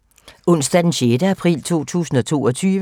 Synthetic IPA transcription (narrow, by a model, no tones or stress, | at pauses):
ɔ̽n̰sd̥æd̥enɕed̥əæpʰʁḭːlt͡sʰo̝̰ːt͡sʰṵːsn̩ɒ̽t͡sʰo̝̰ːɒ̽t͡sʰyːʋə